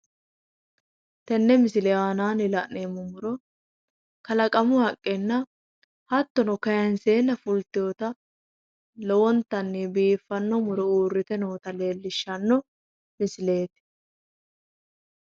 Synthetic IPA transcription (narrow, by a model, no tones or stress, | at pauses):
t̪ɛnːɛmɪsɪlɛaːnaːnɪlɐʔneːmːɔmʊɾɔ | kɐlɐkʼɐmʊhɐkʼːɛnːɐ | hɐt̪ːɔnɔkɐjɐnse̞ːnːɐfʊlt̪ɪjot̪ɐ | lɔwɔnt̪ɐnːebiːfːɐnːɔmʊɾɔuːrːɪt̪ɛnoːt̪ɐle̞ːlːɪʃːɐnːɔ | mɪsɪle̞ːt̪